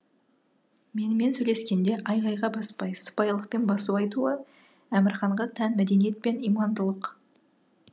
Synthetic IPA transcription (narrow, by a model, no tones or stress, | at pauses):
me̞nɪme̞nsɵjle̞skʲe̞nd̪e̞ʔɑjʁɑjʁɑbɑspɑjsə̥pɑjlˠəq̚pe̞nbɑsuɑjt̪uə | æmɪɾχɑɴʁɑt̪ʰænmæd̪e̞nijet̪̚pe̞nijmɑnd̪əlˠəq